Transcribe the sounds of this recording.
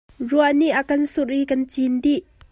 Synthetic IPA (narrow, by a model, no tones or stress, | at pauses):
ruaʔniʔakɐnsurʔikɐnt͡sindiʔ